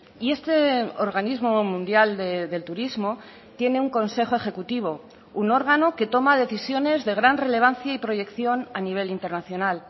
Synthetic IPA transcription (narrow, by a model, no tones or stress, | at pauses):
ie̞st̪e̞oɾɣanizmo̞mũnd̪jald̪ed̪e̞lt̪uɾizmo̞ | t̪je̞ne̞uŋko̞nse̞xoe̞xe̞kut̪iβ̞o̞ | uno̞ɾɣ̞ano̞ke̞t̪o̞maðe̞θisjo̞ne̞zðe̞ɣ̞ɾanre̞le̞β̞anθjaipɾo̞ʝe̞kθjo̞naniβ̞e̞lint̪e̞ɾnaθjo̞nal